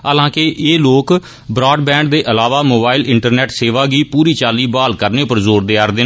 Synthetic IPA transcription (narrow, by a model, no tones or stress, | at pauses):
aːlãːkeʔeːloːk | bɾaːɖbɛ̃ːɳɖd̪eːʔəlaːʋaːmoːbaːɪlɪɳʈəɾnɛːʈseːʋaːɡiːpuːɾiːt͡ʃaːliːbaːlkəɾneːpəɾzoːɾd̪eːaːɾd̪eːn